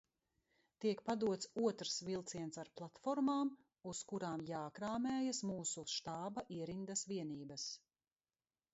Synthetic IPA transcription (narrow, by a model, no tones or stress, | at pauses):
t̪iɛkpad̪uɔt̪suɔt̪ɾsvilˠt̪siɛnsaɾplˠat̪fɔɾmaːm | uskuɾaːmjaːkɾaːmɛːjasmuːsuʃt̪aːbaʔiɛɾind̪ɐsviɛniːbɐs